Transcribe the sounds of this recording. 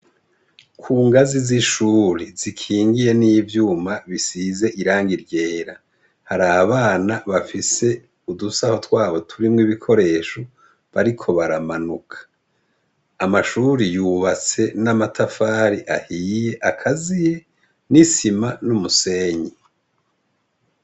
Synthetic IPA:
kʰuːŋɡaziziʃuːɾizikʰiːŋɡije̞nivjuːmaβisize̞ʔiɾaːŋɡiɾɟe̞ːɾa | haɾaβaːnaβafise̞ | udusaho̞twaːβo̞tʰuɾimŋiβikʰo̞ɾe̞ːʃo | βaɾikʰo̞βaɾamanukʰḁ | maʃuːɾijuːβat͡se̞namatʰafaːɾiʔahiːje̞ʔakʰazije̞ | nisimanumuse̞ːɲi

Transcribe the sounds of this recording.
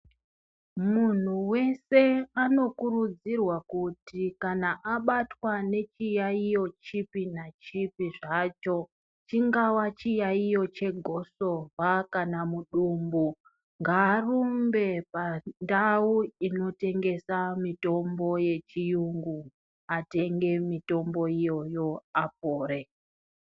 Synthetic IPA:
mun̤uwe̞se̞ano̞kurud͡zirwakutikanaʔaɓatwane̞t͡ʃijaijo̞t͡ʃipinat͡ʃipiʐat͡ʃo̞ | t͡ʃiŋɡawat͡ʃijaijo̞t͡ʃe̞ɡʱo̞so̞vakanamuɗumbu | ŋɡaːrumbe̞pandauino̞te̞ŋɡe̞samito̞mbo̞je̞t͡ʃijuŋɡu | ate̞ŋɡe̞mito̞mbo̞ijo̞jo̞ap̚oːɾe̞

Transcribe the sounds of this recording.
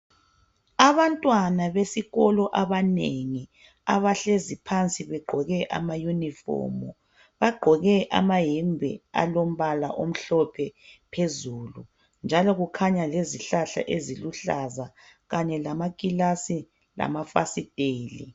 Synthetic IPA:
aβantʼwanaβesiɣɔlɔʔaβaneŋi | aβaɬezipʰant͡sʼiβɛɡ͡ǃʱɔɣɛʔa̰majunifɔ̰ːmɔ | βaɡ͡ǃʱɔɣɛʔa̰maɦimbʱɛ̰a̰lom̩βalaʔom̩ɬɔpʰɛpʰezulu | nd͡ʒʱalɔɣukʰaɲaleziɬaɬa̰ʔeziluɬaza | ɣaɲɛlamakʼilasi | la̰mafa̰sid̥ʱeːlḭ

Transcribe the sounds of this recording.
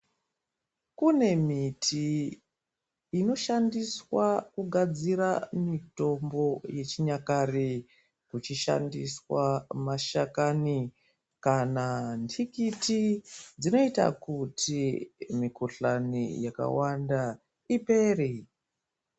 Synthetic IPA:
kune̞mitʰi | no̞ʃandiswakuɡʱad͡ziɾamito̞mbo̞je̞t͡ʃiɲakari | kut͡ʃiʃa̰ndiswamaʃakani | kanandʰikitid͡zino̞ita̰kutʰimikuɬanḭjaka̰wanda | ipe̞ːri

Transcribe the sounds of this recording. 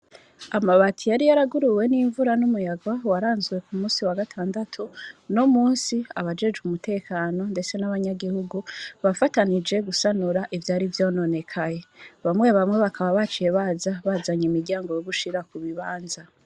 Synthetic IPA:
amaβatʰijaɾijaɾaɡuɾuwe̞niɱvuɾanumujaɡwawaɾaːnzɡwe̞kumuːnsiwaɡatʰaːndatʰunomuːnsiaβad͡ʒe̞d͡ʒumutʰe̞ːkaːno̞nde̞t͡se̞naβaɲaɡihuɡuβafatanid͡ʒe̞ɡusanuɾaʔivjaːɾivjo̞ːno̞ne̞kʰaje̞βamŋe̞βamŋe̞βakʰaβaβat͡ʃije̞βaːzaβazaɲimiɾɟaːŋɡo̞joβuʃiɾakuβiβaːnza

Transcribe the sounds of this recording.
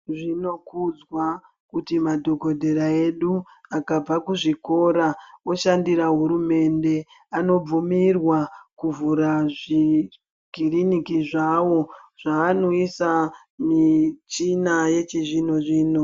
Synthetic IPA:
ʐino̞kud͡zwa | kutimadʱo̞ɡʱo̞dʱe̞ɾae̞ɗu | akab͡vakuʐiko̞ɾaoʃandiɾaɦuɾume̞nde̞ | ano̞b͡vumirwakuvuɾaʐi | ɡʱirinikiʐawo̞ʐ̥aːno̞isa | mit͡ʃinaje̞t͡ʃiʐino̞ʐiːno

